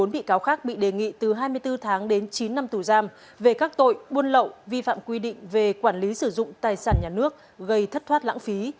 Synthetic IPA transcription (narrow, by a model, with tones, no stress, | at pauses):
o˨˦nɓḭ˧˨kaː˨˦wxaː˦˥k̚ɓḭ˧˨ɗe˨˩ŋḭ˧˨t̪ɨ˨˩ɦaː˧jmɨ˧əjt̪ɨ˧t̪ʰaː˨˦ŋɗe˨˦nt͡ɕi˨˦nːa˧mt̪u˧˩zaː˧m | ve˨˩kaː˦˥k̚t̪o̰˧˨jɓu˧ənlə̰˧˨wvi˧fa̰ː˧˨mkwi˧ɗḭ̈˧˨ŋ̟ve˨˩kwaː˧˩nli˨˦sɨ˧˩zʊ̰˧˨ŋ͡mt̪aː˨˩jsaː˧˩nɲaː˨˩nɨ˦˥ək̚ | ɣə˧jt̪ʰə˦˥t̚t̪ʰwa˦˥t̚la̰ː˧˥ŋfi˨˦